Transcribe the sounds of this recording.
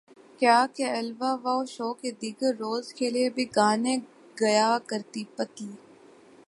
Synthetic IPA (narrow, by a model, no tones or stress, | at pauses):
kjaːkeɐlʋaːʋaːoʃoːked̪iːɡəɾːoːzkʰeːliebʱiɡaːnẽ | ɡɐjaːkəɾt̪iːpət̪liː